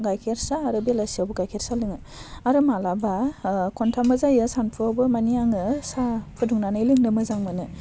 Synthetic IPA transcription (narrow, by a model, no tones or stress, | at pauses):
ɡajkʰeɾsaːɾɯbelasiawbɯɡajkʰeɾsalɯŋɯ | aɾɯmalabakʰɔntʰamɯzajɯsanpʰɯawbɯmanijaŋɯsapʰɯduŋnanɯilɯŋnɯmɯzaŋmɯnɯ